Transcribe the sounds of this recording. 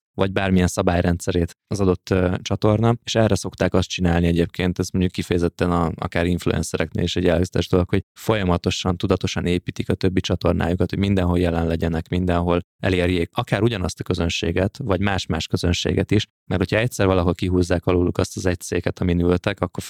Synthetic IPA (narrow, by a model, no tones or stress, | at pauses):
vɒɟ̚baːrmijɛnsɒbaːjɾɛnt̪sɛɾeːt̪ɒzɒd̪o̞t̪ːt͡ʃɒt̪o̞rnɒeːʃɛrːɛso̞kt̪aːkɒst̪̚t͡ʃinaːlniɛɟeːp̚kʰeːnt̪ɛsmoɲɟukːifɛjɛzɛt̪ːɛnɒɒ̰kaːɾiɱflṵɛ̰nsɛɾɛknḛːliʃɛɟːɛlɛɡzɛt̪ɛʒd̪o̞lo̞kho̞ɟfo̞jɒmɒt̪o̞ʃɒnt̪ud̪ɒt̪o̞ʃɒneːpiːt̪ikɒt̪øbːit͡ʃɒt̪o̞rnʔa̰ːjukɒt̪hoɟmind̪ɛnɦo̞ljɛlɛnlɛɟɛnɛkmind̪ɛnɦo̞l | ɛ̰leːrjeːkɒkaːɾuɟɒnɒst̪ɒ̥kø̞zø̞nʃḛːɡɛt̪ʋɒɟmaːʃmaːʃkø̞zø̞nʃḛːɡɛt̪iʃ | mɛthocʰhɒɛc̪sɛrvɒlɒɦo̞lkiɦuːzːaːkɒluːlukɒst̪ɒzɛc̚t̪seːkɛt̪ɒminylt̪ɛkɒkːo̞r